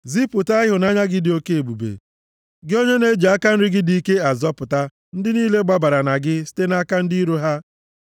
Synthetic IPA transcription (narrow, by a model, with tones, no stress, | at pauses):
zi˦pʊ˨ta˦ɪ˦ɦʊ˨na˦ɲa˦ɡɪ˦dɪ˨o˦ke˦e˨bu˨bḛ˨ | ɡɪ˦o˦ɲe˦ne˦d͡ʒe˨a˦ka˦n̩˦ɾɪ˦ɡɪ˦di˨˦i˦ke˦a˨zɔ˦pʊ˨ta˦ | n̩˦dɪ˦niː˦le˦ɡ͡ba˦ba˨ɾa˨na˨ɡɪ˦si̥˦te˦na˦ka˦n̩˦dɪ˦i˦ɾo˦ɦa˦